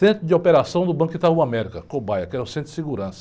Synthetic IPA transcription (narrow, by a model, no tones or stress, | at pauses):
ẽnt̪ɾʊd͡ʒ̪ɪopeɾasɐ̃w̃d̪ʊbɐ̃kit̪ahuamɛɾikɐkobajɐkɛɾʊsẽt̪ɾɪsiɡuɾɐ̃sɐ̥